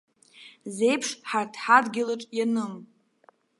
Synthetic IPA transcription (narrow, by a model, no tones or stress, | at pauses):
zejpʰʂħartʰħadɡʲɪlaʈ͡ʂʼjanɨm